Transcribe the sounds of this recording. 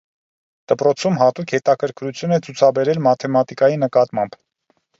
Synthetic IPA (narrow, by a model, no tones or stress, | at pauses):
d̪̥əpɾɔt͡sʰumɦɑt̪ukʰhɛt̪ɑkʰəɾkɾut͡sʰjunɛt͡sʰut͡sʰɑbɛɾɛlmɑt̪ʰɛmɑt̪ikɑjinəkɑt̪mɑmb̥